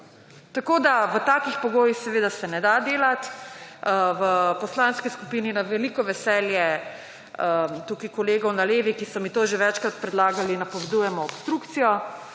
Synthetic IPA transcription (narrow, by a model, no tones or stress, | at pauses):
t̪akoːd̪aʋət̪akixpɔɡoːjixsɛʋeːd̪asɛnɛd̪ad̪eːlat̪ | ʋəpɔslaːnskiskupiːninaʋɛlikɔʋɛsɛːljɛ | ət̪ukikɔleːɡɔwnaleːʋikisɔmit̪oʒeʋɛt͡ʃkɾat̪̚pɾɛd̪laːɡalinːɐpɔʋɛd̪ujɛmɔɔpst̪ɾukt̪sijɔ